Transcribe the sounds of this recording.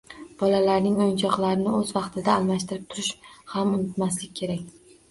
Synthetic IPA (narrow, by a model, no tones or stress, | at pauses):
b̥ɒlalaɾnɪŋojnt͡ʃʰɒqlˠaɾɪnɪɵzvɑqt̪ʰɪd̪aːlˠmaʃt̪ɪɾɪp̚t̪ʰʊɾɪʃhamʊnɪt̪maslɪkʲːʰe̞ɾakʲ